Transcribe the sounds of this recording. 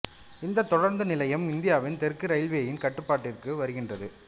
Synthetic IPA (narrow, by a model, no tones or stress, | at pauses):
ɪnd̪ɐt̪ːɔɽɐɾnd̪ɯnɪlɐjɐmɪnd̪ɪjaːʋɪnt̪ɛɾkːɯɾɐɪlʋeːjɪnkɐʈːɯpːaːʈːɪrkɯʋɐɾɯɣɪndrɐðɯ